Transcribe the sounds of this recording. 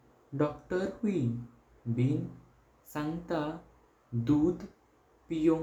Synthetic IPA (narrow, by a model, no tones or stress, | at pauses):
ɖɔkʈəɾwi | bin | sãŋt̪a | d̪ud̪ | pijo